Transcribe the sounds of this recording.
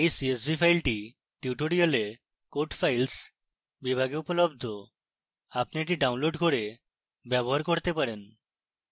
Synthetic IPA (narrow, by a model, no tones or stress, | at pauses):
ejsies̬bipʰajlʈi | ʈiuʈoɽiale | koʈfʰajls | bibʱaɡeupolobd̪ʱo | apneʈ̬iɖawnloɖkoɾe | bɛboɦaɾkoɾt̪epaɾen